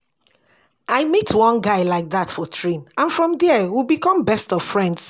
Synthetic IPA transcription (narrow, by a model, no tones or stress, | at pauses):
ʔaɪmitʰwɔ̃nɡaɪlaɪk̚ðatfɔtʰɹĩnãnfɹɔ̃mðɛɛwibikɔ̃mbɛstɔv̥fɹɛ̃nds